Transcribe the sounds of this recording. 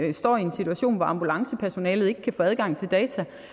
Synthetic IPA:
sd̥ɒ̰ːiensit͡sʰuæɕo̝̰ːnʋɒɑ̈mb̥ulɑ̈ŋsəpʰæɐso̝nɛːlð̞̩ˠe̝ɡ̥kʰæfɔ̽ːæð̞ˠɡ̥ɑ̈ŋ̰t͡sʰe̝ld̥ɛːt͡sʰæ

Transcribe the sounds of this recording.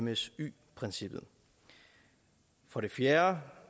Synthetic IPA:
məsy̰ː | pʰʁɛnsib̥ð̩ˠ | fɒ̽ɾ̥e̝fjæːɐ

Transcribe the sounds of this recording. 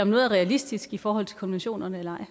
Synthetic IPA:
ɒmnɔ̽ːð̩ˠɐʁɛælisd̥isɡ̥ifɒːɦɒ̽l̰t͡sʰl̥kʰɒ̽nʋenɕo̝̰ːnɐnəelɐɑ̈ɪ̰

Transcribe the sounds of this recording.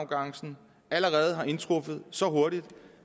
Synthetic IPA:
ʊɡ̥ɑ̈ŋ̰sn̩ | æləʁɛːð̞̩ˠɦɑ̈ʔe̝nt͡sʰʁofəð̞̩ˠsɒ̽ɦo̝ɐɾid̥

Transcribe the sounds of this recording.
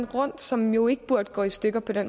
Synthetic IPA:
nʁɔ̽n̰̥sɒ̽mjo̝e̝ɡ̥əb̥uɐ̰d̥əɡ̥ɒ̰̽ːisd̥øɡ̥ɐpʰɒ̽d̥en̰m

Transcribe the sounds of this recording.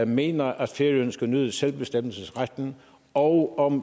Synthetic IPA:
me̝̰ːnɐʔæd̥feɐiønsɡ̥ænøðˠəselb̥e̝sd̥em̰l̩səsʁad̥n̩ | ɒ̽ʊɒ̽m

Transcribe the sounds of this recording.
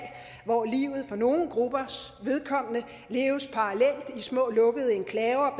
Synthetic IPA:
ʋɒliːʊð̞̩ˠfɒ̽no̝ːn̩ɡ̥ʁub̥ɐsʋe̝ð̞ˠkʰɒ̽m̰ənə | le̝ːʊspʰɑ̈ːlel̰d̥ismɔ̰̽ːlɔ̽ɡ̥əð̞̩ˠe̝nkʰlɛːʊɐb̥

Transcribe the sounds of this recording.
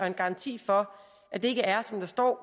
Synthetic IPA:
ɒ̽e̝nɡ̥ɑ̈ɑ̈nt͡sʰḭːfɒ̽ | ʔæd̥e̝e̝ɡ̥əæɐsɒ̽md̥ɑ̈sd̥ɒ̰ː

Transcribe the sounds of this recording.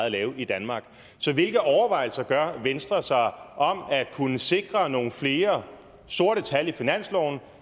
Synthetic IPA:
ð̩ˠlɛːʊid̥ænmɑ̈ːɡ̥ | sɒ̽ʋe̝lɡ̥ð̩ˠɒʊɐʋɑ̈ɪ̰l̩sɐɡ̥ɶɐʋensd̥ʁɐsɑ̈ɪʔɒ̽mæ̥kʰunəse̝ɡ̥ʁɐno̝ːn̩fle̝ːɐ | sd̥o̝ɐ̰ɾ̥ət͡sʰælifinæn̰slɒʊ̰n̩

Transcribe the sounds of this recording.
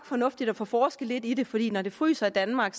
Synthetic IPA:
ɡ̥fɒ̽nɔ̽fd̥id̥ɒfɒfɒːsɡ̥əle̝d̥id̥e̝fɒ̽d̥ḭːnɒd̥e̝fʁy̰ːsɐid̥ænmɑ̈ːɡ̥s

